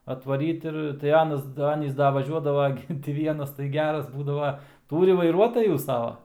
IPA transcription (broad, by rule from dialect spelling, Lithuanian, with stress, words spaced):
ɐtʋɐˈrʲiːt ɪr tɐɪ ˈɑːnɐs ˈɑːnʲiːs ˈdɐ ʋɐˈʒʲuɔdɐʋɐ ˈɡʲɪ tʲɪ ˈʋʲiɛnɐs tɐɪ ˈɡʲæːrɐs ˈbuːdɐʋɐ ˈtuːrʲɪ ʋɐɪˈruɔtɐjuː ˈsɑːʋɐ